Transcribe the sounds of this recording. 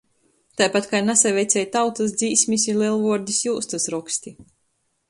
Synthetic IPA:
t̪ajpat̪kajnasavʲɛjt̪sʲɛjt̪awt̪as̬d̪ziːsʲmʲisʲilˠiɛlˠvuɔɾd̪ʲisjuːst̪asɾɔksʲt̪ʲi

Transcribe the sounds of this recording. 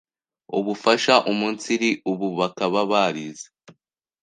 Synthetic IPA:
uβufaʃaʔumuːnt͡siɾiʔuβuβakaβaβaɾize̥

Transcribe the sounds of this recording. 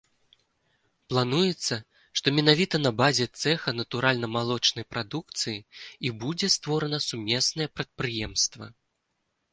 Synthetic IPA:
plˠanujɛt̪sːɐ | ʂt̪ɔmʲɛnavʲit̪ɐnɐbazʲɛt̪sɛxɐnɐt̪uɾʔalʲnɐmalˠɔt͡ʂnɐjpɾad̪ukt̪sɨjiibud͡zʲɛst̪vɔɾɐnɐsumʲɛsnɐjɛpɾɐt̪̚pɾɨjɛmst̪vɐ̰

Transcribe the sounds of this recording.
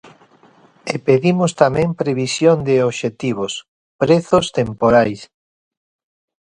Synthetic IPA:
epeðimost̪amɛ̃mpɾeβisjond̪eoβʃet̪iβ̞os | pɾeθost̪empoɾajs

